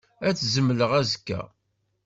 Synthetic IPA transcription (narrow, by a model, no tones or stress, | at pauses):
æt͡sːzəmːləʁæzkːæ̰